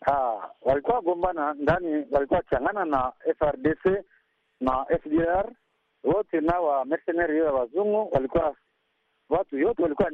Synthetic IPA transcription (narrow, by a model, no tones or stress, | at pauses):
awalikwaɡɔmbanandaniβalikwakiaŋɡananaɛfɛʁdese | naʔɛfdeɛʁ | wotenawamɛsɛnɛʁijɔjaβazuŋɡuwalikwa | βatujɔtɛalikwa